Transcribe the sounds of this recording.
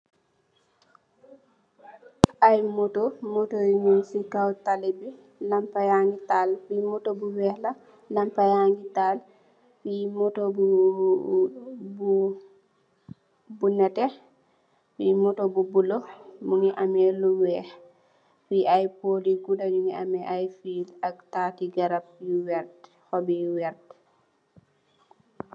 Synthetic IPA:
ʔajmɔtɔmɔtɔwimunsikawtalɛbi | lampajaŋɡitalwimɔtɔbuwɛla | lampajaŋɡital | wimɔtɔbu | bu | bunːɛtɛ | wimɔtobubulɔmuŋiʔamɛluwɛh | wiʔajpoliɡudad͡ʒuŋia̰mɛʔajfilaktaːtiɡaɾap̚juwɛɾt | hɔbiwɛɾt

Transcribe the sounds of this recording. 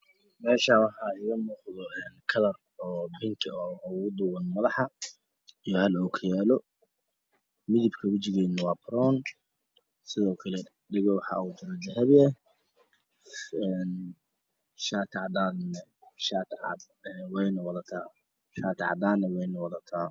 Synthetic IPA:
mɛːʃaːwɑħɑːɪɣɐnuːqðɔɛːnkʰɐlɐr | ɔːbɪŋkʰɪɔɣʊd̪uwɐnmɐðɑħɑ | ijɔhɐlɔːkʰɐjɛːlɔ | mɪðibkʰɐɣʊt͡ʃɪɣɛnːɐwɑːpɾɔːn | sɪðɔːkʰɐlɛ | ɖɪɣɔwɑħɑ̰ut͡ʃɪɾɐd̪ɐɦɐɾɪɐ | ɛːn | ʃaːt̪ʰʕd̪aːd̪nɛʃaːt̪ʕɑ̰d̪ | ɛwɛjnɐwɑðɐt̪ʰaː | ʃaːt̪ʰʕɑ̰d̪aːnɛwɛjnɐwɑðɐt̪ʰaː

